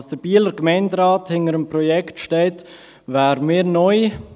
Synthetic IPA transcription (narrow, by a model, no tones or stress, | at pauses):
sd̥əɾb̥iːləɾɡ̥mɛɪndɾɑːthɪnəɾəmpɾɔjɛktʃtɛːt | vaːɾəmiːɾnɔj